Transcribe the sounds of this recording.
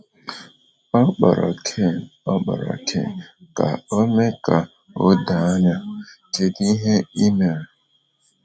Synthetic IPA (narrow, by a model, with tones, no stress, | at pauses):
ɔ˦k͡pɔ˨ɾɔ̰˨kʰe˦˨n̩˨ɔ˦k͡pɔ̰˨ɾɔ̰˨tʰḛ˦˨n̩˨ka̰˨o˦me˦ka˨ | o˦da˨a˦ɲa˦te˨di˦ɦe˦i˦me˨